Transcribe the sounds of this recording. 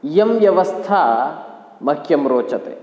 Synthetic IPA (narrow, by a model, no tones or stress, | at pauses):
jɐmʋjɐʋɐst̪ʰaː | mɐkʰːjɐmɾoːt͡ʃɐt̪ḛ